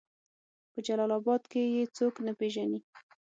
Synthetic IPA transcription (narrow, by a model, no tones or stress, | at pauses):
pəd͡ʒalɑlɑbɑd̪kejet͡soknapeʒani